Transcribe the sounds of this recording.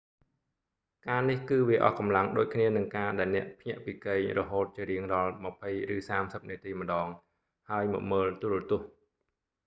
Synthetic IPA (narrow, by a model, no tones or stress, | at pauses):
kaːnihkɨːʋiəʔɑ̰hkɑmlaŋɗoːc̚kʰniənɨŋkaːɗaɛlnɛ̆əʔpʰɲɛ̆əʔpiːkeːɲrɔɦoːt̪̚t͡ɕiəɾiəŋrɑlməpʰəjrɨːsaːmsəp̚niət̪iːmə̆ɗɑːŋ | haəjmɔ̰ʔməːlt̪uɾuət̪ʊ̆əh